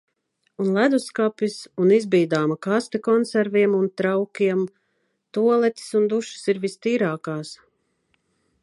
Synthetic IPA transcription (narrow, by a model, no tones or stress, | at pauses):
unlˠæd̪uskapʲisunizbiːd̪aːmakast̪ekɔnsæɾviɛmunt̪ɾawkʲiɛm | t̪uɔlˠɛt̪ʲi̥sund̪uʃi̥siɾvist̪iːɾaːkaːs